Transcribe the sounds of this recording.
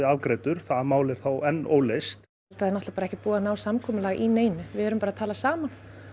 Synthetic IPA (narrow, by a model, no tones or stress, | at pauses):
ɪalkɾeːt̪ʏɾ̥θamaːwlɪɾ̥θawʔɛnːo̰ːwlest̪ | lt̪aðɪɾnɔt̪apaɾɛçcɪ̥t̪̚puːɣanaːwsamkʰɔːmʏlaːɣʔineːjnʏvɪɛːɾʏmpaɾat̪ʰaːlasaːman̥